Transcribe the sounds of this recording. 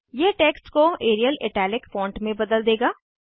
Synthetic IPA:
jeːʈeːksʈkoeːɾijəlḛːʈɛːlɪkfɔ̃ːɳʈmẽbɐd̪əld̪eːɡaː

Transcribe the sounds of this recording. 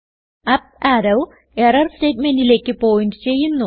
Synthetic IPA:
ɐp̚aːɾɐw | erɐrste̞ːtme̞ndile̞ːkːɨpo̞ːjinɖɨt͡ɕe̞jːunːu

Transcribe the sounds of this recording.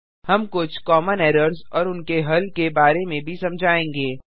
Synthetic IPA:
hɐmkʊt͡ʃʰkɔːmənɛːɾəɾzɔːɾʊnkeɦɐlkebaːɾemẽbʱisɐ̃md͡ʒʱaːẽːŋɡeː

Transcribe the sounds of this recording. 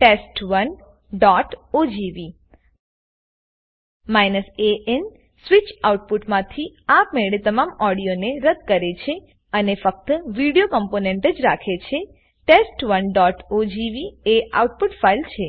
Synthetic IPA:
ʈesʈʋən | ɖɔʈod͡ʒiʋi | majnəseʔen | sʋit͡ʃauʈ̚puʈmãt̪ʰiapmeɭet̪əmamɔɽijoneɾəd̪̚kəɾet͡ʃʰe | ənefək̚t̪əʋiɽijokəmponeɳʈəd͡ʒɾakʰet͡ʃʰe | ʈesʈʋənɖɔʈod͡ʒiʋiea̰uʈ̚puʈfailt͡ʃʰe

